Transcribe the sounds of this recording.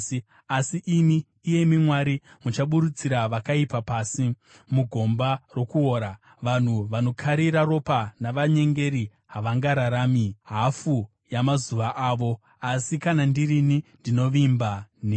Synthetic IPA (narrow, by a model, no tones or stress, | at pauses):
asiʔimiː | je̞mimwaɾi | mut͡ʃaɓuɾut͡siɾaʋakaipapasi | muɡʱo̞mbaro̞kuo̞ːɾa | ʋan̤uʋano̞kʰaɾiɾaro̞panaʋaɲe̞ŋɡe̞ɾi | ɦaʋaŋɡaɾaɾaːmiɦafu | jamazuʋaʔaːʋo̞ | asikanandirinindino̞ʋimbane